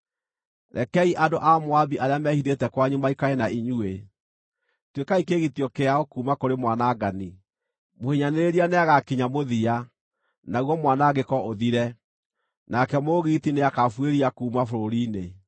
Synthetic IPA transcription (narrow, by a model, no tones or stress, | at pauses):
ɾɛkɛiʔadoʔamoabiʔaɾeamɛhiðetɛkwaɲumaikaenaiɲue | twekaikeɣitjɔkeaokuːmakoɾemwanaːɡani | mohiɲaneɾeɾianeaɣakiɲamoðia | nauɣɔmwanaːɡekɔʔoðiɾɛ | nakɛmoɣiːtineakafweɾiakuːmafoɾoɾine